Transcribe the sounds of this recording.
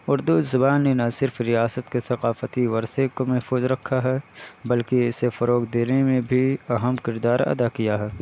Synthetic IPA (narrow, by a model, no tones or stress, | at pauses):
ʊɾd̪uzɐbaːnːenɐsɪɾfɾijaːsət̪kesɐqaːfət̪iʋɐɾsekomɛɦfuːzɾɐkʰːaɦɛbɐlkiɪsefɐɾoːkd̪eːnemẽbʱiɐɦəmkɪɾd̪aːɾɐ̰d̪akijaɦɛː